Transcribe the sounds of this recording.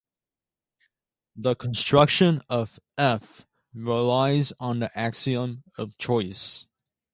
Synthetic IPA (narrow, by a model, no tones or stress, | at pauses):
ðəkʰə̃n̩stɹ̥ʌkʃɨ̃nʌvɛf | ɹɪlaɪzn̩ðiʔæksiə̃mʌv̥t͡ʃʰɔɪs